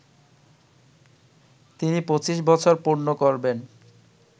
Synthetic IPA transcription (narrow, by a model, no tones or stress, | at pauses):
t̪inipot͡ɕiʃ̬bɔt͡ɕʰoɾpuɾnokoɾben